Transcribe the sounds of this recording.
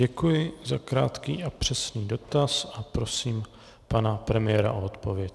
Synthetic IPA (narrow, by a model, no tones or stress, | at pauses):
ɛkujɪzakɾa̰ːt̪kiːʔapr̝̥ɛsniːdo̞t̪asapɾo̞siːm | panapɾɛmɪjɛːɾa̰ʔoot̪po̞vjɛc